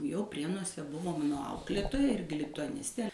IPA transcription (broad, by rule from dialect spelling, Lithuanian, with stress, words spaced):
jɛʊ ˈpʲrʲiɛnuɔsʲɛ ˈbʊʋoː ˈmɑːnoː ˈɐʊklʲeːtoːjɛ ˈɪrʲɡʲɪ lʲɪtʊɐˈnʲɪsʲtʲeː